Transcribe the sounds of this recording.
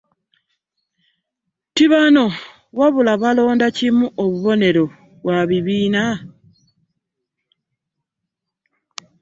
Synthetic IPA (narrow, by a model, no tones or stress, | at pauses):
tiβano̞ | waβulaβalo̞ːndacimuʔoβuβo̞ne̞ɾo̞ | βwaβiβiːna